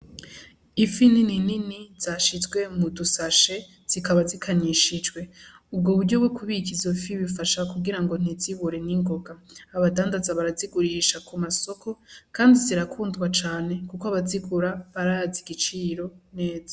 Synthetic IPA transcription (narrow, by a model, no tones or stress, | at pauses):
ifininininiz̥aʃizɡwe̞mudusaʃe̞ | z̥ikaβazikʰaɲiʃid͡ʒɡwe̞ | ub̚ɡoβuɾɟo̞wekuβikizofiβifaʃakuɡiɾaŋɡo̞n̥iziβuɾe̞niŋɡo̞ɡaːβadaːndazaβaɾaziɡuɾiʃakumaso̞kʰo̞kaːndiziɾakʰuːndɡwat͡ʃaːne̞kukoaβaziɡuɾaβaɾaaziɡit͡ʃiːɾo̞ne̞ːzḁ